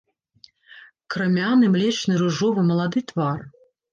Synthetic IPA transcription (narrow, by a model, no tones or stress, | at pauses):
kɾɨmʲanɨmlʲɛt͡ʃnɨɾɨʐɔvɨmɐlˠad̪ɨt̪var